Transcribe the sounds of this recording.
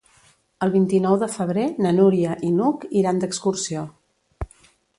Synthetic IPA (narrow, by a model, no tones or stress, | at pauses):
əlˠβint̪inɔwðəfəβ̞ɾenənuɾiəʔinukiɾand̪əkskursio